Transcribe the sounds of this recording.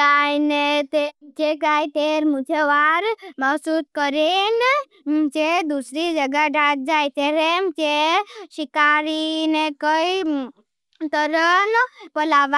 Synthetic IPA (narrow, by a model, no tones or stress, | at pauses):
ajnet̪ed͡ʒekajt̪eɾmũt͡ʃʰeʋaɾməsuskəɾen | t͡ʃed̪usɾid͡ʒəɡaɖat̪̚d͡ʒajt̪eɾemt͡ʃeʃɪkaɾinekəi | t̪əɾənpəlaʋ